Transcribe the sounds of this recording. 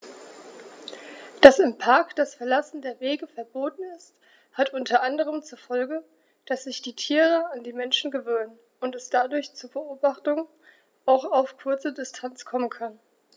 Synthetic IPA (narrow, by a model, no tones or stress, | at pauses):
d̥asɪmpʰaɐkd̥asfɛɐlasn̩deːɐveːɡəfɛɐboːtn̩ɪst | hatʔʊntʰɐʔandəʁ̞əmt͡suɐfɔlɡə | d̥asz̥ɪçd̥iːtʰiːʁəandiːmɛnʃn̩ɡəvøːnən | ʊntɛsd̥adʊɐçt͡suːɐbəʔoːbaχtʊŋ | aʊxaʊfkʰʊɐt͡sədɪstʰant͡skʰɔmənkʰan